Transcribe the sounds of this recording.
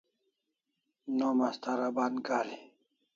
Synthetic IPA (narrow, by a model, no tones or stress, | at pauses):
nomast̪aɾabanɡaːli